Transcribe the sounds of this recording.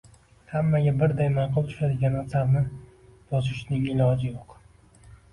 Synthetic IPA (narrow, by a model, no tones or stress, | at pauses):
hamːaɡʲabɪɾd̪ajmanqʊlˠt̪ʰʊ̥ʃad̪ɪɡʲanasabnɪ | b̥ɒzɪʃnɪŋɪlˠɒd͡ʒɪjoq